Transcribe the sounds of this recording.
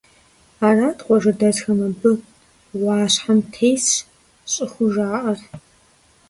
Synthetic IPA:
aːraːdqʷʼɔʐɐdɐzxɐmɐbɨ | wɑːɕħamtʰejs | ɕʼɪxʷʊʒaːʔɐr

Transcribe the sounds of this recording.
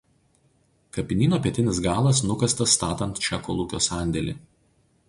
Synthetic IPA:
kɐpʲɪnʲiːnoːpʲiɛt̪ʲɪnʲɪs̬ɡɑːlˠɐs̬nʊkɐst̪ɐsːt̪ɑːt̪ɐnt̪t͡ʃʲɛkoːlˠuːkʲo̰ːsɑˑnʲd̪ʲɛlʲḭː

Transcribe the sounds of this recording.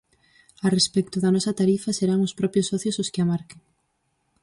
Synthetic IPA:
arespɛk̚t̪ʊðɐnɔsɐt̪aɾifɐseɾaŋʊspɾɔpjosːɔθjosʊskɪamaɾkeŋ

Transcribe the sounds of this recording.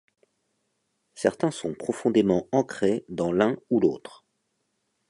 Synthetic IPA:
sɛʁt̪ɛ̃sɔ̃pχɔfɔ̃d̪emɑ̃ɑ̃kχed̪ɑ̃lɛ̃ulot̪χ

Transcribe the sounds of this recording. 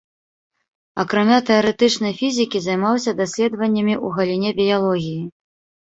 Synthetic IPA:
ɐkɾamʲat̪ɛɐɾɛt̪ɨt͡ʂnɐjfʲizʲikʲizajmawsʲɐd̪asʲlʲɛd̪vɐnʲːɐmʲiʔuɣɐlʲinʲɛbʲijalˠɔɣʲiji

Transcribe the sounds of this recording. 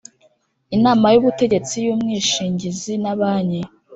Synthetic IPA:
inaːmajuβute̞ɟe̞t͡sijuːmŋiːʃiːɲɟizinaβaːɲe

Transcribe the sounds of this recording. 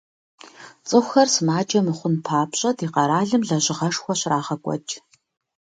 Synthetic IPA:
t͡sʼɨxʷxɐrsmaːd͡ʒʼɐmɨχʷʊnpʰaːpɕʼɐdiːqɐɾaːɮɨmɮɐɕʼɪʁɐʂxʷɔɕraːʁɐkʷʼɔ̰t͡ʃʼ

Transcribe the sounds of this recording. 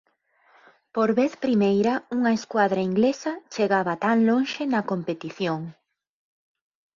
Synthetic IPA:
poɾβeθpɾimejɾɐuŋɐeskwaðɾɐiŋɡlesɐt͡ʃeɣaβɐt̪aŋloŋʃɪnɐkompet̪iθjoŋ

